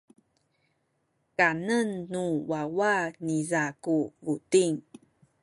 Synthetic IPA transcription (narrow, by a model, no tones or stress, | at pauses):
kanənːuwawanizakuvutiŋ